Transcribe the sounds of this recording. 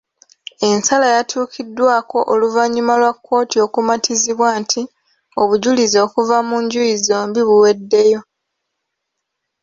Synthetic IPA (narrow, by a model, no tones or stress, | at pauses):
e̞nsalajatʰuːkʰidːwaːko̞ʔoluvaɲːumalwakːo̞ːtio̞kumatʰiziβwaːntʰi | o̞βuɟulizo̞ːkuvamuɲɟujizo̞ːmbiβuwe̞dːe̞jo̞